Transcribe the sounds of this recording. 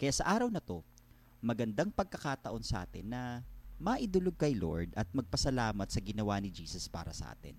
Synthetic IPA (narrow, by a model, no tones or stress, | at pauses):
kɐjaːʔsɐʔaːɾɐwnɐt̪o̞ | mɐɡɐnd̪aŋpɐɡ̚kɐkaːt̪ɐʔo̞nsɐʔa̰ːt̪ɪ̰nːɐmɐʔɪd̪ʊloɡ̚kɐjlo̞̰ɹd̪ʔɐt̪̚mɐɡ̚pɐsɐlaːmɐt̪̚sɐɡɪnɐwanɪd͡ʒiːsɐspa̰ːɾɐsɐ̰ʔa̰ːt̪ɪ̰n